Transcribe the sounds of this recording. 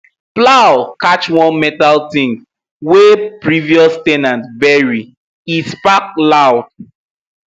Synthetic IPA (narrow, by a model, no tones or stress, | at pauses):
plawkat͡ʃwɔ̃nmɛtaltĩŋɡ | wepɹiviɔstɛnãntbɛɹi | ispak̚lawd̥̚